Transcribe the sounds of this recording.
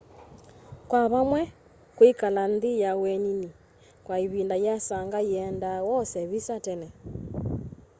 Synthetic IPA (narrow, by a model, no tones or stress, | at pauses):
kwaβamwɛ | kwikalanðijawɛnini | kwaiβindajasaŋɡaiɛndawɔsɛβisatɛnɛ